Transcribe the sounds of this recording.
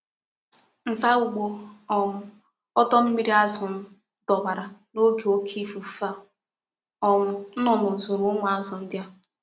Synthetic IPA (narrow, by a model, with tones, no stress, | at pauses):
n̩˨sa˦u˨ɡ͡bo˨ɔ˨mʊ˨ | ɔ˦tɔ˦m̩˦mi˦ɾi˦a˦zɔ˨n̩˦ | dɔ˨ba˨ɾa˨no˦ɡe˨o˦kʰi˦fu˨˦fa˦˨ | ɔ˨ŋʊ˨n̩˦nɔ˨m˨o˨zo˨ɾʊ˨˦ŋʷa˨a˦zɔ˨n̩˦dja˦